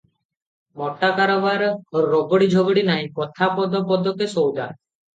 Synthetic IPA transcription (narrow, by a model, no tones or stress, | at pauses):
mɔʈːakaɾɔbaɾɾɔɡɔɽid͡ʒʱɔɡɔɽinaĩkɔt̪ʰapɔd̪ɔpɔd̪ɔkesowd̪a̰